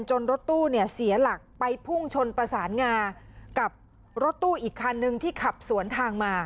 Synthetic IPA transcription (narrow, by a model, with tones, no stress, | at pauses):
nt͡ɕo˧nɾo˦˥t̪ːuː˥˩ni˥˩ɐsi˩˦ɐla˨˩k̚pa˧jpʰu˥˩ŋt͡ɕʰo˧npɾa˧saː˩˦nŋaː˧nka˨˩p̚ | ɾo˦˥t̪ːuː˥˩ʔiː˨˩kʰːa˧nːɯ˧ŋt̪ʰiː˥˩kʰa˨˩p̚su˩˦ənt̪ʰaː˧ŋmaː˧